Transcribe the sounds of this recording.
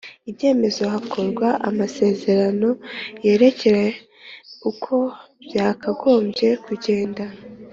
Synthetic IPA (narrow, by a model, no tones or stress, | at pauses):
ibje̞ːme̞zo̞ɦakʰo̞ɾɡwaʔa̰mase̞ːze̞ɾano̞je̞ːɾe̞ce̞ɾe | ukʰo̞ | bjaːkaɡo̞ːmbje̞kuɟe̞ːnda